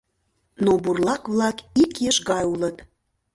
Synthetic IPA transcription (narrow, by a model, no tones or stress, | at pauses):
noburlˠɑkβlˠɑkikjeʃɣɑjulˠət̪